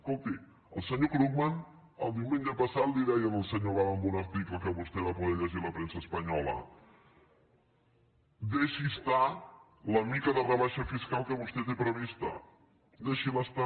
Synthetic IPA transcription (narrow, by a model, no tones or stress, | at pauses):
skolˠt̪i | əlˠsəɲokɾukman | əlˠd̪iuwmeɲʒəpəsat̪liðɛjənəlˠsəɲoβaməmbunəɾt̪ikləkəβust̪ɛβapuðɛʎəʒiləpɾensəspəɲɔlə̰ | d̪eʃist̪a | ləmikəðərəβaʃəfiskalˠkəβust̪ɛt̪epɾəβist̪ə̰ | d̪eʃiləst̪a